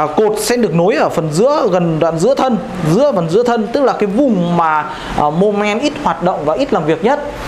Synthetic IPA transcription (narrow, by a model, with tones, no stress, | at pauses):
ko˨˩t̚sɛ˧mɗɨ˨˩ək̚no˨˦jʔəː˧˩fə˨˩nzɨ̰˧˥əɣə˨˩nɗwa̰ː˧˨nzɨ̰˧˥ət̪ʰə˧n | zɨ̰˧˥əfə˨˩nzɨ̰˧˥ət̪ʰə˧nt̪ɨ˦˥k̚laː˨˩kaː˨˦jvʊ˨˩ŋ͡mmaː˨˩˨ | mo˧mɛ˧nʔi˦˥t̚hwaː˨˩t̚ɗo̰˧˨wŋ͡mvaː˨˩ʔi˦˥t̚laː˨˩mvi˨˩ək̚ɲə˦˥t̚